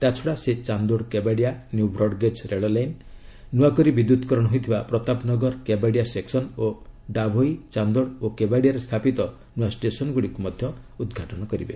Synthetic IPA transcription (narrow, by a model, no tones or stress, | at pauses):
t̪at͡ʃʰɔɽaset͡ʃand̪oɽkebaɽijanjubɾɔɽɡed͡ʒɾeɭɔlajnː | uwakɔɾibid̪ut̪kɔɾɔɽɔɦojt̪ʰibapɾɔt̪apnɔɡɔɾkebaɽiaseksɔnoɖabʱojit͡ʃand̪oɽokebaɽijaɾest̪ʰapit̪ɔ | nuasʈesɔnɔɡuɽikumɔd̪ʱjɔ | ud̪ɡʱaʈɔñɔkɔɾḭbḛ